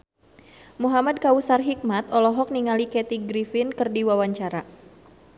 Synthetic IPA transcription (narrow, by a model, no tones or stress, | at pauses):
muɦamad̪̚kausarɦik̚mat̪ɔlɔɦɔk̚niŋalikɛt̪iɡɾifɪnkərdiwawaɲt͡ʃaɾa